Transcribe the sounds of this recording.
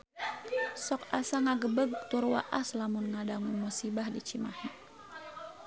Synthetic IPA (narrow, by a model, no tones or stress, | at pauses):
sɔkasaŋaɡəbəɡt̪urwa̰ʔaslamʊnŋadaŋunmusibahdit͡ʃima̰hi